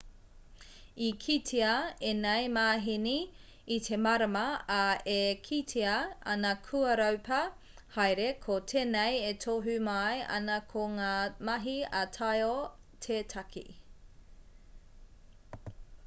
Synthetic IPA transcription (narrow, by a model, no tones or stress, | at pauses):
ikʰitʰiɐenɐjmaːɦiniː | tʰemɐɾɐmɐːekʰitʰiɐɐnɐkʰuɐɾɐwpʰɐ | hɐjɾekʰotʰeːnejetʰoɦʉmajʔɐ̰nɐkʰoŋaːmɐɦiɐtʰɐjo | tʰetʰɐkʰḭ